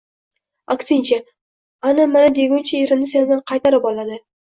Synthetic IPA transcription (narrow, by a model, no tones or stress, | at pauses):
akʲsɪnt͡ʃʰa | anamanad̪eɡʲʊnt͡ʃʰaeɾɪmnɪsend̪anqʰɑjt̪ʰaɾɪpɒlˠad̪ɪ